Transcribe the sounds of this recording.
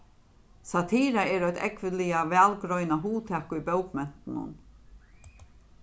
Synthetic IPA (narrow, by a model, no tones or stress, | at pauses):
sat̪ʰiːɾaɛːɾœʏjt̪ʰɛ̰kʋɪlɪaʋɛːlɡɾɔʏnaɦuːt̪ʰɛːkʊʊbœwkmɛn̥t̪nʊ̰n